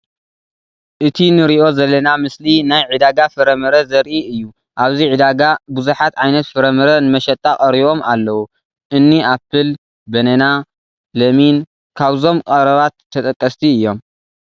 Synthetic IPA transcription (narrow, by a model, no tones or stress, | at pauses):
ʔɨt̪ʰinɨɾiʔo̞zɐlːɐnamɨslinajʕid̪aɡafɨɾɐmɐɾɐzɐɾʔiɨjːu | ʔaβziʕid̪aɡabuzuħat̪ʕajnɐt̪fɨɾɐmɐɾɐnɨmɐʃɐt̪ʼːakʼɐɾiβo̞mʔa̰lːɐwu | ʔɨnːiʔapːɨl | bɐnɐna | lɐmin | kʰaβzo̞mkʼɐɾɐβat̪ʰːɐt̪ʼɐkʼːɐst̪ʰiɨjːo̞m